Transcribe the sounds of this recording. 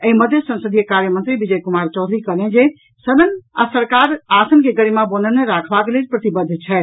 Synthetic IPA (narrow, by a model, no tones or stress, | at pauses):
əiməd̪ʱjəsə̃nsəd̪ʱijekaɾjəmənt̪ɾibid͡ʒəjkumaɾt͡ʃɔʊd̪ʱɾikəled͡ʒe | səbənasəɾkaɾasənkeɡəɽimabənəneɾakʰbakelelpɾət̪ibəd̪ʱːt͡ʃʰɛ